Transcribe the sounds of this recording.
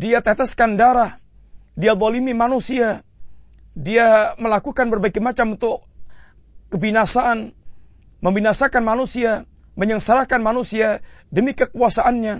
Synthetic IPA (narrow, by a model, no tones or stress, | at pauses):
diat̪ɛt̪əskandaɾah | diaðˤɔlimimanusia | diaməlakukanbərbaɡɛmat͡ʃamunt̪ʊkː | əbinasaʔːn | məmbinasakanmanusia | məɲəŋsaɾakanmanusiadəmikəkuasaʔanɲa